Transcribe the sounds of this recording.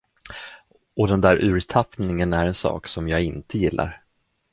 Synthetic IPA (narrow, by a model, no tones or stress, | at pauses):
ɔd̪ɛnd̪æːɾʔʉ̟ːɾt̪ʰapnɪŋənæɾɛnsɑ̰ːksɔmjɑːɡɪnt̪ʰəjɪlːa̰ɾ